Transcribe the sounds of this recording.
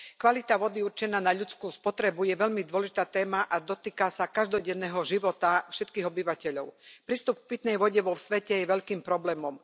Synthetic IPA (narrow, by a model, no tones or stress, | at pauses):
kʋalit̪aʋɔd̪iuɾt͡ʃɛnaːnaʎut͡skuːspɔt̪ɾɛbujɛʋɛʎmid̪ʊɔlɛʒit̪aːt̪ɛːmaʔad̪ɔt̪iːkasakaʒd̪ɔɟɛnːɛːɦɔʒiʋɔt̪afʃɛt̪kiːɦɔbiʋacɛʎɔʊpɾiːst̪up̚k̚pit̪nɛjʋɔɟɛʋɔfsʋɛcɛjɛʋɛʎkiːmpɾɔblɛːmɔm